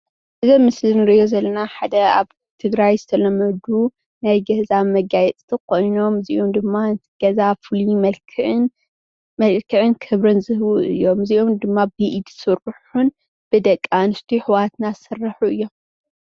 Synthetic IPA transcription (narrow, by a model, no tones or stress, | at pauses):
ʔɨzɐmɨslinɨɾɨʔjo̞zɐlːɐnaħad̪ɐa̰β | t̪ʰɨɡɾajzɨt̪ʰɐlɐmɐd̪u | najɡɐzamɐɡajɛt͡s̪ʼt̪ʰikʰo̞jno̞mziʔomd̪ɨmːaɨnt̪ʰɨɡ̥ɐzafɨlimɐlkʰn | mɐlkʰɨʕɨnkʰɨβɾɨnzɨhwuʔɨjːo̞mziʔomd̪ɨmːabiʔd̪sɨɾɨħun | b̥ɨd̪ɐkʼːanɨst̪ʰiħɨwat̪nasɨrːɐħuɨjːo̞m